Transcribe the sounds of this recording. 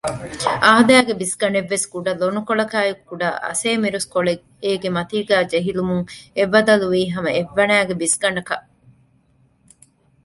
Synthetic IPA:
aːɦd̪æːɡebisɡɐɳeʋːesɡuɖɐlonukoɭɐkaːjukːuɖɐ̰ʔɐ̰seːmiɾuskoɭe | eːɡemɐt̪iːɡæːd͡ʒeɦilumuŋeʋɐd̪ɐluʋiːɦɐmɐeʋːɐnæːɡebisɡɐɳɐkɐʔ

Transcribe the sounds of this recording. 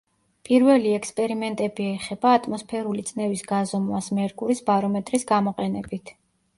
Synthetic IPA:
pʼiɾvɛliɛkspʼɛɾimɛnt̪ʼɛbiɛχɛbaːt̪ʼmɔspʰɛɾulit̪sʼnɛvisɡazɔmwasmɛɾɡʼuɾisbaɾɔmɛt̪ʼɾisɡamɔqʼɛnɛbit̪ʰ

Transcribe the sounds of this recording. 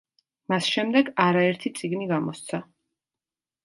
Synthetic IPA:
masʃɛmd̪ɛɡaɾaɛɾt̪ʰit̪sʼiɡniɡamɔst̪sʰa

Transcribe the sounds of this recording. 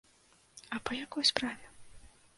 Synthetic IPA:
ɐpɐjakɔjspɾavʲɛ

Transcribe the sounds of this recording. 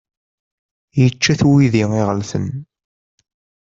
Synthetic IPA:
jət͡ʃːæθwiðiŋiʁəlθə̰n

